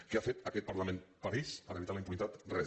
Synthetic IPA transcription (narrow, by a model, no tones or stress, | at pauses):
keafet̪əkɛt̪̚paɾlamẽnpaɾispəɾeit̪aləimpunit̪at̪rɛ